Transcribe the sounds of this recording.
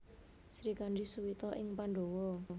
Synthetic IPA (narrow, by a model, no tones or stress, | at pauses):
sɾikanɖisuwit̪ɔʔɪŋpaɳɖowɔ